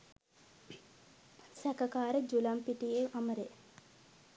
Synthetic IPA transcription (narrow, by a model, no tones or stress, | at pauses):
sækəkaːɾəd͡ʒulampiʈieʔaməɾe